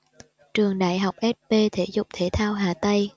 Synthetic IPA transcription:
t͡ɕɨ˨˩əŋɗa̰ː˧˨jɦa˨˩wk͡p̚ʔɛ˦˥t̚pe˧t̪ʰe˧˩zʊ˨˩k͡p̚t̪ʰe˧˦t̪ʰaː˧wɦaː˨˩t̪ə˧j

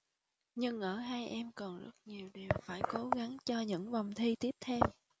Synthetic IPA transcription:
ɲɨ˧ŋʔəː˧˩ɦaː˧jʔɛ˧mkɔ˨˩nzə̰˦˥t̚ɲi˨˩əwɗi˨˩əwfaː˧˩jko˨˦ɣa˨˦ŋt͡ɕɔ˧ɲɨ̰˧˥ŋva˨˩wŋ͡mt̪ʰi˧t̪i˦˥əp̚t̪ʰɛ˧w

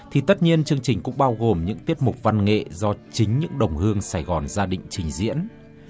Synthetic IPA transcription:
t̪ʰi˨˩t̪ə˦˥t̚ɲi˧ənt͡ɕɨ˧əŋt͡ɕï˨˩ŋ̟kʊ̰˧˥ŋ͡mɓaː˧wɣo˨˩mɲɨ̰˧˥ŋt̪i˦˥ət̚mʊ˨˩k͡p̚va˧nŋḛ˧˨zɔ˧t͡ɕï˨˦ŋ̟ɲɨ̰˧˥ŋɗə˨˩wŋ͡mhɨ˧əŋsaː˧˩jɣɔ˨˩nzaː˧ɗḭ̈˧˨ŋ̟t͡ɕï˨˩ŋ̟zḭ˧˥ən

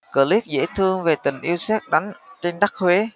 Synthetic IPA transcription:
kəː˧˩li˦˥p̚zḛ˧˥t̪ʰɨ˧əŋve˨˩t̪ï˨˩ŋ̟ʔi˧wsɛ˦˥t̚ɗa˨˦ŋ̟t͡ɕe˧nɗa˦˥k̚hwe˨˦

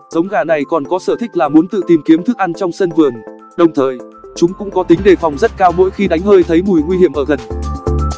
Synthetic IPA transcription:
z̥ə˨˦wŋ͡mɣaː˧˩na˨˩jkɔ˨˩nkɔ˨˦səː˧˩t̪ʰï˦˥k̟̚laː˨˩mu˨˦nt̪ɨ̰˧˨t̪i˨˩mki˨˦əmt̪ʰɨ˦˥k̚ʔa˧nt͡ɕɔ˧wŋ͡msə˧nvɨ˨˩əŋ | ɗə˨˩wŋ͡mt̪ʰəː˨˩j | t͡ɕʊ˨˦ŋ͡mkʊ̰˧˥ŋ͡mkɔ˨˦t̪ï˨˦ŋ̟ɗe˧˩fɔ˨˩wŋ͡mzə˦˥t̚kaː˧wmo̰˧˥jxi˧ɗa˨˦jŋ̟həː˧jt̪ʰə˨˦jmu˨˩jŋwi˧hi˧˩əmʔəː˧˩ɣə˨˩n

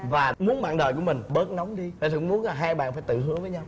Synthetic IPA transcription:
vaː˨˩mu˨˦ənɓa̰ː˧˨nɗəː˨˩ku˧˩mï˨˩ŋ̟ɓəː˦˥t̚n˨˦wŋ͡mɗi˧faː˧˩˨ʊ˧˦ŋ͡mmu˨˦ənlaː˨˩ɦaː˧jɓa̰ː˧˨nfaː˧˩jt̪ɨ̰˧˨ɦɨ˨˦˥əvəː˨˦jɲa˧w

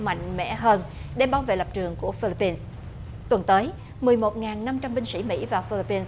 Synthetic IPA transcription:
ma̰˧˨jŋ̟mɛ̰˧˥ɦəː˧nɗe˧˩ɓaː˨˦wvḛ˧˨lə˨˩p̚t͡ɕɨ˨˩əŋku˧˩əfi˧li˧˥pːi˧ns | t̪wə˨˩nt̪əː˨˦j | mɨ˨˩əjmo˨˩t̚ŋaː˨˩nːa˧mt͡ɕa˧mɓï˧ŋ̟sḭ˧˩mḭ˧˥vaː˨˩fi˧li˧pːi˧ns

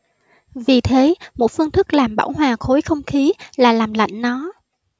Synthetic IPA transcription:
vi˨˩t̪ʰe˨˦mo̰˧˩t̚fɨ˧əŋt̪ɨ˦˥k̚laː˨˩mɓa̰ː˧˩wɦwaː˨˩xo˨˦jxə˧wŋ͡mxi˨˦laː˨˩laː˨˩mla̰˧˨jŋ̟nɔ˨˦

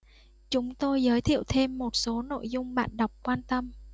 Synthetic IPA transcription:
t͡ɕʊ˨˦ŋ͡mt̪o˧jzəː˨˦jt̪ʰḭ˧˨əwt̪ʰe˧mːo˨˩t̚so˨˦no̰˧˨jzʊ˧ŋ͡mɓa̰ː˧˨nɗə˨˩wk͡p̚kwaː˧nt̪ə˧m

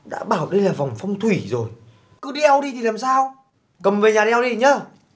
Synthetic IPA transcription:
ɗa̰ː˧˥ɓaː˧˩wɗə˧jlaː˨˩va˨˩wŋ͡mfɔ˧wŋ͡mt̪ʰwi˧˩˦zo˨˩j | kɨ˨˦ɗi˧ʔwɗi˧t̪ʰi˨˩laː˨˩msaː˧w | kə˨˩mve˨˩ɲaː˨˩ɗi˧wɗi˧ɲəː˧

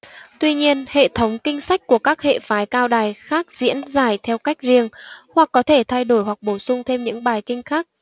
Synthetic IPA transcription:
t̪wi˧ɲi˧ənhḛ˧˨t̪ʰə˨˦wŋ͡mkï˧ŋ̟sa˦˥k̟̚ku˧˩əkaː˦˥k̚hḛ˧˨faː˨˦jkaː˧wɗaː˨˩jxaː˦˥k̚zḭ˧˥ənzaː˧˩jt̪ʰɛ˧wka˦˥jk̟̚zi˧əŋhwa˨˩k̚ːɔ˨˦t̪ʰe˧˩t̪ʰa˧jɗo˧˩jɦwa˨˩k̚ɓo˧˩sʊ˧ŋ͡mt̪ʰe˧mɲɨ̰˧˥ŋɓaː˨˩jkï˧ŋ̟xaː˦˥k̚

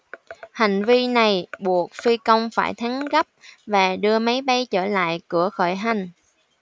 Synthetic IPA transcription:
hi˨˩ŋ̟vi˧na˨˩jɓu˨˩ək̚fi˧kə˧wŋ͡mfaː˧˩jt̪ʰa˨˦ŋɣə˦˥p̚vaː˨˩ɗɨ˧əma˨˦jɓa˨˧jt͡ɕəː˧˩la̰ː˧˨jkɨ˧˩əxɔ˧˩jɦa˨˩jŋ̟

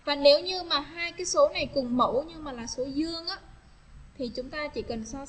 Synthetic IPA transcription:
vaː˨˩ne˨˦wɲɨ˧maː˨˩ɦaː˧jkaː˨˦jso˨˦na˨˩jkɨ˨˩ŋmə˧˩wɲɨ˧maː˨˩laː˨˩so˨˦zɨ˧əŋʔaː˧˦ | t̪ʰi˨˩t͡ɕʊ˨˦ŋ͡mt̪aː˧t͡ɕḭ˧˩kə˨˩nsɔ˧

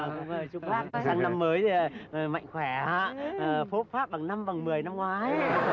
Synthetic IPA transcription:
kʊ̰ː˧˨˩ʊ˧aː˦˥a˦˥a˧ŋna˧mːəː˨˦jma̰˧˨jŋ̟xwɛ˧˩aː˧˩˥fo˨˦˥t̚faː˦˥p̚ɓa˨˩ŋna˧mva˨˩ŋmɨ˨˩əjna˧mŋwaː˨˦j

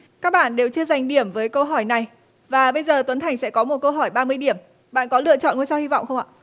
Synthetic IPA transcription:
kaː˦˥k̚ɓa̰ː˧˨nɗe˨˩wt͡ɕɨ˧əza˨˩jŋ̟ɗi˧˩əmvəː˨˦jkə˧wɦɔ˧˩jna˨˩j | vaː˨˩ɓə˧jzəː˨˩t̪wə˨˦nt̪ʰa˨˩ŋ̟sɛ̰˧˥kɔ˨˦mo˨˩t̚kə˧wɦɔ˧˩jɓaː˧mɨ˧əjɗi˧˩əm | ɓa̰ː˧˨nkɔ˨˦lɨ̰˧˨ət͡ɕɔ̰˧˨nŋu˧jsa˧whi˧vɔ̰˧˨wŋ͡mxə˧wŋ͡mʔa̰ː˧˨

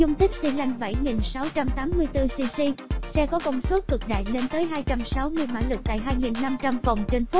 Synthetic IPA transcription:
zʊ˧ŋ͡mt̪ï˦˥k̟̚si˧la˧jŋ̟ɓa˧˩jŋi˨˩nsa˨˦wt͡ɕa˧mt̪aː˨˦mːɨ˧əjt̪ɨ˧si˧si˧sɛ˧kɔ˨˦kɔ˧wŋ͡mso˦˥t̚kɨ˨˩k̚ɗa̰ː˧˨jle˨˦nt̪əː˨˦jɦaː˧jt͡ɕa˧msa˨˦wmɨ˧əjma̰ː˧˥lɨ˨˩k̚t̪a̰ː˧˨jɦaː˧jŋi˨˩nːa˧mt͡ɕa˧mkɔ˨˩wŋ͡mt͡ɕe˧nfu˦˥

